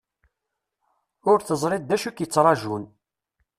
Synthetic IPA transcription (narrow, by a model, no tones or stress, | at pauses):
ʊɾθəzˤɾˤɪd̪̚ːæʃukjət͡sːɾˤɑʒun